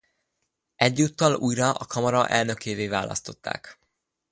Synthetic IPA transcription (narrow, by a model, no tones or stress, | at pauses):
ɛɟːuːt̪ːɒluːjɾɒʔɒkʰɒmɒɾɒʔɛlnø̞kʰeːveːvaːlɒ̰st̪o̞t̪ːa̰ːk